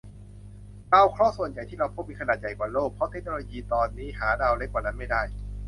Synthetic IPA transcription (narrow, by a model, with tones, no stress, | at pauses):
ɾaː˧wkʰɾɔː˦˥˩su˨˩ənja˨˩jt̪ʰiː˥˩ɾa˧wpʰo˦˥p̚miː˧kʰa˧naː˨˩t̪̚ja˨˩jkwaː˨˩loː˥˩k̚pʰɾɔ˦˥t̪ʰe˦˥k̚noː˧loː˧jiː˧t̪ɔː˧nːiː˦˥˩ɦaː˩˦daː˧wle˦˥kwaː˨˩na˦˥nma˥˩jdaː˥˩j